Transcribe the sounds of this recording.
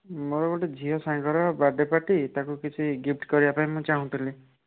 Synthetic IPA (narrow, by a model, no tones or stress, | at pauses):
moɾɔkɔʈed͡ʒʱiɦɔsãŋkɔɾɔbaɖepaʈit̪akukit͡ʃʰiɡip̚ʈkɔɾiapaĩmũt͡ʃaɦũt̪ʰili